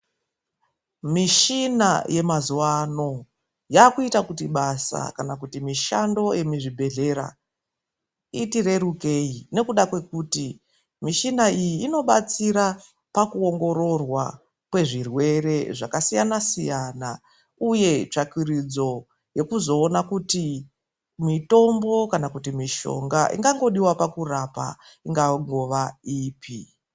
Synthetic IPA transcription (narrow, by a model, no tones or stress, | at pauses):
miʃina̰jʔe̞mazuwano̞ | jaːkuitakutiɓasa̰kanakutimiʃa̰ndo̞je̞miʐibʱe̞ɮe̞ɾa̰ | itiɾe̞ɾuke̞jine̞kuɗakwe̞kuːti | miʃinaijiːno̞ɓat͡siɾa | pakuo̞ŋɡo̞ɾo̞rwa̰ | kwe̞ʐirwe̞re̞ʐakasijanasijana | uje̞t͡ʂakwirid͡zo̞ | je̞kuzo̞ːnakuti | mito̞mbo̞kanakutimiʃo̞̰ŋɡaʔḭŋɡaŋɡo̞ɗiwapakurapa̰ | iŋɡaŋɡo̞ʋaiːpi